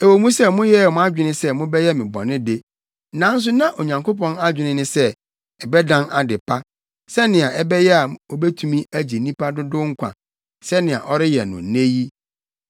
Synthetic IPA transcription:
e˨wo˨mũ˦sɛ˦mʊ̃˦jɛ˦˨mʊ̃˦a˦d͡ʑᶣɪ˨˦nɪ̃˦sɛ˦mʊ̃˦bɛ˦jɛ˦mɪ̃˨bɔ̰̃˨nɪ̃˦de˦ | nã˨˦n̩˦s̬ʊ˦nã˦ʔo˨ɲã˨ŋko˦pɔ̃˦na˦d͡ʑᶣɪ˨nɪ̃˦nɪ̃˦sɛ˦ | ɛ˨bɛ˦dã˦na˨dɪ˨pʰa˦ | sɛ˦nɪ̃˨a˨ʔɛ˦bɛ˦jɛ˦a˨o˨bɛ˦tʰu˦mĩ˦æ˦d͡ʑi˨nĩ˦pa˦dʊ˦dʊ˦ŋ̩˦kʷʰã̰˨ | sɛ˦nɪ̃˨a̰˨ʔɔ˦ɾɪ˦jɛ̰˨nʊ̰̃˨nẽ˦ji˦

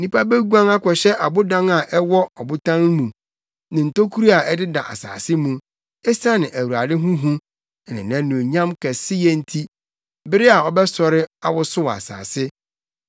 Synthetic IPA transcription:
nĩ˦pʰa˦be˦ɡu˦ã˦ŋa˦kʰɔ˨ɕɛ˦ʔa˨bʊ˦dã˦ŋa˨ʔɛ˦wɔ˦ɔ˨bʊ˦tʰã˦ŋ˦mũ˨ | nɪ̃˨n̩˨to˦kʰu˦ɾi˦a˨ɛ˦dɪ˦da̰˨ʔa̰˨sa̰ː˨sɪ˦mũ˦ | ɛ˦sa˦nɪ̃˨ʔæ˨wu˨ɾa˨dɪ˦ɦũ˦ɦũ˦ | ɛ˨nɪ̰̃˨nã˦nũ˨ɲã˦mkʰɛ˨sɪ˦jɛ˦n̩˦tʰi˦ | bɪ˦ɾɪ˦a˨ɔ˨bɛ˦sɔ˨ɾɪ˦a˨wʊ˦sʊ˦wa̰˨sa̰ː˨sɪ˦

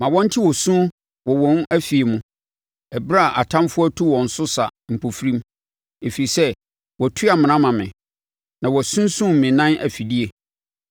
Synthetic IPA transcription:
mã˨wɔ̃˦n̩˦tʰɪ˦wɔ˨sũ˦ | wɔ˨wɔ̃˦n˦æ˦fi˨e˨mũ˨ | ɛ˨bɾa˦˨ʔa˨tʰã˦mfʊ˦ɔ˦tʰu˦wɔ̃˨n̩˨sʊ˦sa˨m̩˨pʰo˨fɾĩ˦m | e˨fi˨i˨sɛ˦ | wɔ˨tʰʊ˦a˨mã˨nã˦mã˨mɪ̰̃˨ | nã˨wɔ˨sũ˦n˦sũ˦m̩˨mɪ̃˨nã˦næ̰˨fi˨di˦e˨

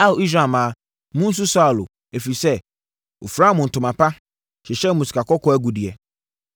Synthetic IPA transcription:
a˦˨o˨i˦s̬ɾa˨mã˨˦ | mʊ̃˦n̩˦s̬ʊ˦sa˦˨lʊ̰˨ | e˨fi˨sɛ˦ | o̰˨fɾa˦mʊ̃˨n̩˨tʰʊ̃˨mã˨pʰa˦ | ɕɛ˨ɕɛ˦mʊ̃˨su̥˨kʰa˨kʰɔ˦kʰɔ˨˦æ˦ɡu˨di˨ɛ˨

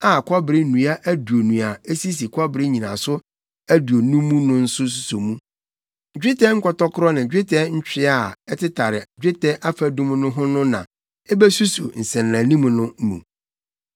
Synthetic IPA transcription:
a˨kʰɔ˦bɾɪ˦nũ˨a˦ʔæ˦du˨o˨nũ˨a˨e˦si˦s̬i˨kʰɔ˦bɪ˨ɾɪ˦ɲĩ˨nã̰˨sʊ˦ | æ˦du˨o˨nũ˦mũ˦nʊ̃˦n̩˦sʊ˦s̬u˦so˨mũ˦ | d͡ʑᶣɪ˦tʰɛ˦ŋ̩˦kʰɔ˨tɔ˦kʰʊ˦ɾɔ˦nã˨d͡ʑᶣɪ˦tʰɛ˦ɲ̩˦t͡ɕᶣɪ˦a˨ɛ˦tʰɪ˦tʰa˨ɾɪ˨d͡ʑᶣɪ˦tʰɛ˦ʔa˦fæ˨dũ˦mnʊ̃˦ɦʊ̃˦nʊ̃˦nã̰˨ | ɛ˦bɛ˦su˦sṵ˨n̩˨sɛ̃˨nː˨ã˨nĩ˦mũ˨˦nʊ̃˦m˦mṵ̃˨

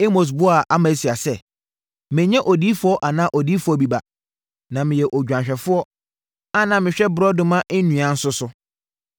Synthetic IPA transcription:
e˦mo˨s̬bʊ˦a˨ʔa˦mã˨˦si˨a˨sɛ˦˨ | mɪ̃˨ɲɛ̃˦ʔɔ˨diː˦fʊ˦ɔ˦ʔa˨nã˦ʔɔ˨diː˦fʊ˦ɔ˦bi˨ba˨ | nã˨mɪ̃˨jɛ˨ʔɔ˨d͡ʑᶣã˨ɲɕᶣɛ˨fʊ˦ɔ˦ | a˦nã˨mɪ̃˨ɕᶣɛ˦bɾɔ˦dʊ̃˦mã˦ʔɪ˦nũ˨ã˨˦n̩˦sʊ˦sʊ˦

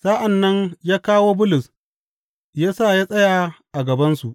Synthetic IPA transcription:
sa˦ʔa˨nːɐ˦ɲjaː˦kaː˦woː˦bʊ˦lʊ˨s | jaː˦saː˦˨jaː˦sʼɐ˦ja˨ʔa˨ɡɐ˨bɐ˦nsu˨ʔ

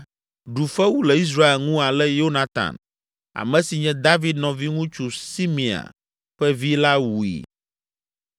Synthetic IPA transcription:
ɖu˨fɛ˦wu˦lɛ˨i˦s̬ɾa˦e˨lŋũ˦a˨lɛ˦jo˦nã˦t̪a̰˨n | a̰˨mɛ̃˨si˨ɲɛ̃˦d̪a˦vi˦d̪nɔ̃˨vi˦ŋũ˦t͡ʃu˨si˦mĩ˨a̰˨ | ɸɛ˦vi˦la˦wu˨ḭ˨

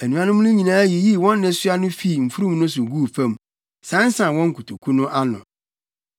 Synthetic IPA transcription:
æ˨nũ˨ã˨˦nʊ̃˦mʊ̃˦nʊ̃˦ɲĩ˨nãː˨˦ji˨ji˦˨wɔ̃˦nː˦ɪ̃˨sʊ˦a˦nʊ̃˦fi˦˨m̩˨fu˦ɾũ˦mnʊ̃˦s̬ʊ˨ɡu˦˨fã˦m˨ | sã˨˦n˦sã˨wɔ̃˦ŋ̩˦kʰu˨tʰu˨kʰu˦nʊ̃˦ʔa˦nʊ̰̃˨

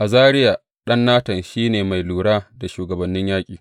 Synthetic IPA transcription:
ʔa˨zaː˦ɽɪ˦ja˨ | ɗɐ˦nːaː˦tɐ˨nʃiː˦neː˨ma˨jluː˨ɽaː˦da˨ʃuː˨ɡɐ˨bɐ˨nːɪ˦ɲjaː˦kʲʼiː˨

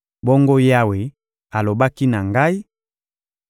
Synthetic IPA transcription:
bɔ˦ŋɡo˦ja˦we˨ | a˨lo˨ba˦ki˦na˨ŋɡa˦i˦

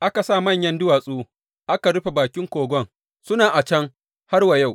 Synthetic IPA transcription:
ʔa˦ka˨saː˦˨mɐ˦˨ɲjɐ˦ndʊ˦waː˨sʼuː˦ | ʔa˦ka˨ɽʊ˦ɸe˨baː˨kʲɪ˦ŋkʷoː˨ɡʷɔ˦ŋ | sʊ˦naː˨ʔa˨t͡ʃɐ˦ŋ | ha˦rwa˨ja˦˨w

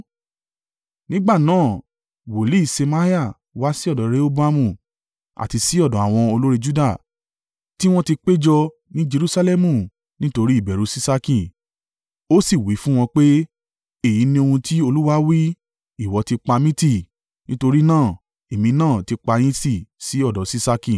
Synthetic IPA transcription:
nĩ˦ɡ͡ba˦˨nãː˦˨ | wo˨li˨˦i˦˨se˧ma˧˦i˦a˦˨ | wa˦si˦ɔ˦˨dɔ̃˨ɾe˦o˦bu˦a˧mũ˦˨ | a̰˨ti˧si˦ɔ˦˨dɔ̃˨a˨w̃ɔ̃˧o˧lo˦ɾe˧d͡ʒu˦da˦˨ | ti˦w̃ɔ̃˦ti˧k͡pe˦d͡ʒɔ˧ | nĩ˦d͡ʒe˧ɾu˦sa˧˦lɛ˦mũ˦˨ | nĩ˦to˧ɾi˦i˦˨bɛ˨ɾu˨˦si˦sa˧kĩ˦˨ | o˦si˦˨wi˨˦fũ˦w̃ɔ̃˧k͡pe˦ | e˦˨jĩ˨˦nĩ˧o˧hũ˧ti˦o˧lu˦wa˦wi˦ | i˦˨wɔ˨˧ti˧k͡pa˧mĩ˦ti˦˨ | nĩ˦to˧ɾi˦nãː˦˨ | e˨mĩ˧nãː˦˨ti˧k͡pa˧j̃ĩ˦ti˦˨si˨˦ɔ˦˨dɔ˨˦si˦sa˧kĩ˧˨

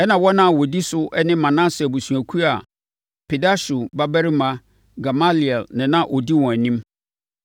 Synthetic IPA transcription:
ɛ˦nã˨wɔ˦nã˦˨wɔ˨di˦sʊ˦ɛ˦nɪ̃˦mã˨nã˦sɛ˨bu˨su˨æ˨kʰu˦ɾa˨ | pe˨da˦su˨ba˦bæ˦ɾi˦mã˦ | ɡa˨ma˦li˨ɛ˨lnɪ̃˨nã˦ʔɔ˨di˦wɔ̃˨æ˨nĩ˦m

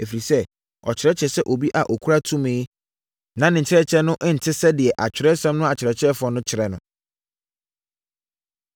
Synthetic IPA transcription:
e˨fi˨ɾi˨sɛ˦ | ɔ̰˨t͡ɕʰɪ˨ɾɛ˦t͡ɕʰɛ˨sɛ˦ʔo˨bi˦ʔa˨ʔo˨kʰu˦ɾa˦tʰũ˦mẽː˦ | nã˨˦nɪ̃˨ɲ̩˨t͡ɕʰɪ˦ɾɛ˦t͡ɕʰɛ˦nʊ̃˦ʔn̩˨tʰɪ˦sɛ˦dɪ˨ɛ˨ʔa˨t͡ɕᶣɪ˨ɾɛ˦sɛ̃˦mnʊ̃˦a˨t͡ɕʰɪ˨ɾɛ˨t͡ɕʰɪ˦ɛ˦fʊ˨ɔ˦nʊ̃˦t͡ɕʰɪ˨ɾɛ˨nʊ̃˦

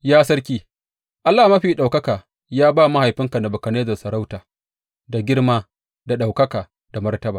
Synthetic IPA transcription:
jaː˦sɐ˦ɽkʲiː˦ | ʔa˦lːaː˨mɐ˦ɸiː˨ɗa˨wkɐ˦kaː˨ | jaː˦baː˦˨mɐ˦ha˨jɸɪ˦ŋka˨na˨bʊ˨kɐ˨neː˦zɐ˨sɐ˨ɾa˦wtaː˨ | da˨ɡʲɪ˦ɽmaː˦ | da˨ɗa˨wkɐ˦kaː˨ | da˨mɐ˦rtɐ˦baː˨

